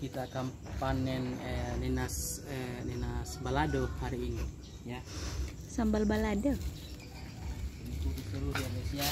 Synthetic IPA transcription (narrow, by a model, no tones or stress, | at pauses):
kit̪aːkam | panɛnənɛnasənɛnasbaladohaɾiːni | ja | sambalbalado | ikukit̪uɾusianesia